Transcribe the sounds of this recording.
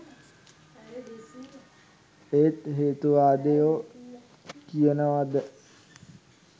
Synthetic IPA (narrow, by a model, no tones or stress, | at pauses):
eːt̪ɦeːt̪uʋaːd̪ejoː | kijənəʋad̪ə